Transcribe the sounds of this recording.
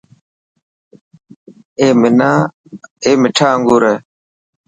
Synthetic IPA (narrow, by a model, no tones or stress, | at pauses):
eːmɪnaː | eːmɪʈʰaːəŋɡuːɾeː